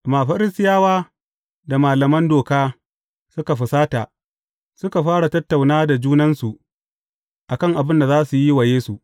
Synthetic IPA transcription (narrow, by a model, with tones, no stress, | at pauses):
maː˨ɸɐ˦ɾɪ˦stɪ˦jaː˦waː˦ | da˨maː˨lɐ˨mɐ˦ndoː˨kaː˦ | sʊ˦ka˨ɸʊ˨saː˦ta˨ | sʊ˦ka˨ɸaː˦ɽa˨tɐ˦tːa˨wnaː˦da˨d͡ʒuː˦nɐ˦nsu˨ʔ | ʔa˨kɐ˦˨ŋʔa˨bɪ˦nda˨zaː˦su˨ji˦wa˨jeː˦su˨ʔ